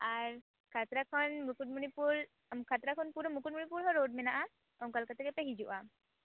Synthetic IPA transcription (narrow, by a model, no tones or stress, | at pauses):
aɾ | kʰat̪ɾakʰɔnmukuʈ̚munipuɾ | mkʰat̪ɾakʰɔnpuɾɔmukuʈ̚munipuɾɦɔɾoɖ̚mɛnaʔa | ɔŋkalkat̪ʰekepeɦid͡ʒuʔa